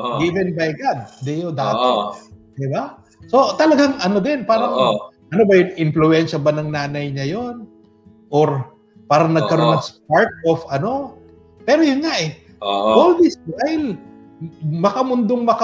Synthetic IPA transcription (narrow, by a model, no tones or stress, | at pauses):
ɡivɛnbɐjɡad̪̚d̪ɛjod̪aʔ̪o | d̪ɪba | so̞t̪ɐlɐɡaŋɐno̞d̪ɛnpaːɾɐŋ | ʔɐnobɐjʊŋʔɪnflʊɛnʃɐbɐnɐŋnaːnɐjɲɐjo̞n | ʔoɾ | paːɾɐŋnɐɡ̚kɐɾo̞nːɐŋspaɹt̪̚ofɐno̞ | pɛːɾojʊnŋaʔɛ | ʔold̪ɪsajl | mɐkɐmʊnd̪oŋmɐkɐ